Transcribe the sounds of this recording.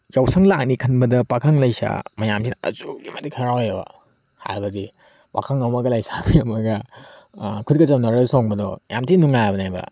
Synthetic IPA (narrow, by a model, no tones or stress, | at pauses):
jawsɐŋlak̚nikʰɐnbɐdɐpakʰaŋlɐjsa̰mɐjamsinɐ̰zuɡimɐtikʰɐɾawjbɐ̰ | ha̰jbɐdi | pa̰kʰaŋawmɐɡɐlajsabijɐmɐɡɐ | kʰudkɐt͡ʃɐmnɐɾɐsɔŋbɐdɔja̰mtinuŋajabɐnajbɐ̰